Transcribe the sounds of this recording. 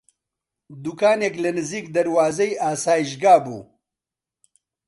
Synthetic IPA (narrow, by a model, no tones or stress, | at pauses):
d̪ukaːneklɐnɨziːkd̪ɐɾwaːzejʔaːsaːjiʃɡaːbṵː